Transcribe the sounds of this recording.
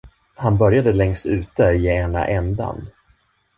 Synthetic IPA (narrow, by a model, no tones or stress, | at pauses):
hanbœɾjad̪əlɛŋst̪ʉ̟ːt̪əjeːɛnːa̰ʔɛnd̪a̰n